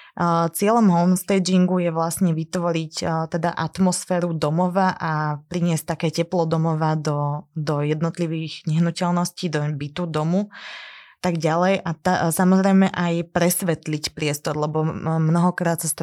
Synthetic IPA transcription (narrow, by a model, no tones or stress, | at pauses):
t͡sɪɛlɔmɦɔlmst̪ɛd͡ʒiŋɡujɛʋlasɲɛʋit̪ʋɔɾict̪ɛd̪aʔat̪mɔsfɛːɾud̪ɔmɔʋaʔapɾiɲɪɛsc̚t̪akɛːcɛplɔd̪ɔmɔʋad̪ɔd̪ɔjɛd̪nɔt̪liʋiːɣɲɛɦnucɛlnɔsciːd̪ɔbit̪ud̪ɔmu | t̪aɡɟalɛjat̪asamɔzɾɛjmɛʔajpɾɛsʋɛt̪licpɾɪɛst̪ɔɾlɛbɔmnɔɦɔkɾaːt̪sast̪